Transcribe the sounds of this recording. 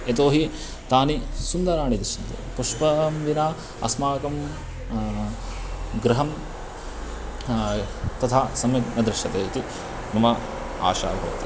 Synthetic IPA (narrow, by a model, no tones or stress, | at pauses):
et̪oːɦi | t̪aːnisund̪ɐɾaːɳid̪iʃint̪ḛpuʂpɐmʋinaː | ɐ̰smaːkɐm | ɡɾɐɦɐm | t̪ɐt̪ʰaːsɐmjɐk̪nɐd̪ɾɪʃɐt̪eːt̪u | nɐmɐ | a̰ːʃa̰ːbʱɐ̰ʋɐ̰t̪i̥